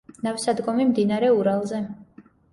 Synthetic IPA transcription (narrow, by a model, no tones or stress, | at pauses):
nafsad̪ɡɔmimd̪inaɾɛuɾalˠzɛ